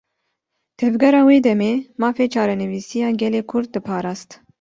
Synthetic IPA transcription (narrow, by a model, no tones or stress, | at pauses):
t̪ʰɛvɡɛɾɑːweːd̪ɛmeːmɑːfeːt͡ʃʰɑːɾɛnɨviːsijɑːɡɛleːkʰʊɾd̪̚d̪ɨpʰɑːɾɑːst̪